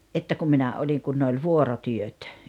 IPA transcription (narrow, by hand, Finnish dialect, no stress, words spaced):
ʔetːæ kum minæ olʲiŋ kun ne olʲ ʋuorotyøt